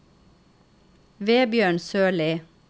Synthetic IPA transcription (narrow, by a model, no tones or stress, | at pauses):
ʋeːbjøːɳsøːɭiː